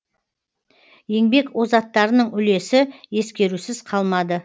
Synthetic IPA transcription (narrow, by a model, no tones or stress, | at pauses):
je̞ŋbe̞kwo̞zɑt̪ːɑɾənəɴʏle̞sɪje̞skʲe̞ɾusɪzqʰɑlˠmɑd̪ə